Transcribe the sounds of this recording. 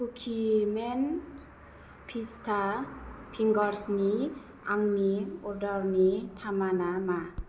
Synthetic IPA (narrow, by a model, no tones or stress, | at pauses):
kukʰimen | pʰistʰapʰiŋɡɔɾsni | aŋniɔɾdɔɾnit̪ʰamanama